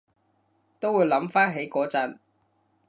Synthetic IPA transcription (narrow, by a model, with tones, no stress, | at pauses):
t̪o˥wuː˨˧˥jlɐ˨˥mfaː˥nɦe˨˥jkɔː˨˥t͡sɐ˨˥n